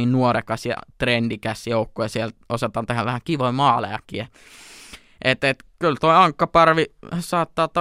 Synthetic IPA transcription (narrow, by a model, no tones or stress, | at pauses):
iːnnuorekɑsjɑ̰t̪rendikæsjoukːojɑsielt̪osɑt̪ɑnt̪ehæʋʋæhækiʋoimɑːlḛjɑ̰kːˑie | ʔet̪et̪kylt̪oiɑŋkːɑpɑrʋisɑːt̪ːɑːt̪ɑ